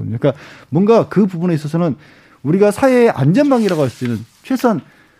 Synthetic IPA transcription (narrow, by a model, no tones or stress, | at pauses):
ɲoik͈amwʌnɡakɯpubune̞is͈ʌs̬ʰʌnɯn | uɾiɡasʰaeʔa̰nd͡ʑʌnmaŋiɾaɣoɦas͈inɯnt͡ɕʰwe̞sʰʌn